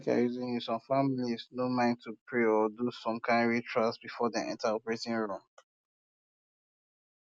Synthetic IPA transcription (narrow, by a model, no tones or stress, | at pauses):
ka̰juzĩnjusɔ̃mfamiliznomãɪ̃ntʰupʰɹeɔdusɔ̃mkʰãɪ̃nɹitʰɹastbifɔdɛʔɛ̰̃ntaɔpɹetĩŋɹũm